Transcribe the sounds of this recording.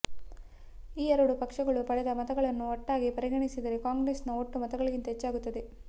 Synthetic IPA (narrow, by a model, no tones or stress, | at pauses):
iːɛɾɐɽupɐkʂɐɡɐɭupɐɽɛd̪ɐmɐt̪ɐɡɐɭɐnːuɔʈːaːɡipɐɾiɡɐɳisid̪ɐɾekaːŋɡɾeːsnɐoʈːumɐt̪ɐɡɐɭiɡint̪ɐɦet͡ʃːaːɡut̪ːɐd̪e